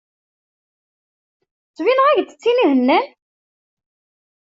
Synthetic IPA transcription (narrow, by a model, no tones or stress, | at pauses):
t͡sːvinəʁæʝt̪ːə̥t͡sːinihənːæ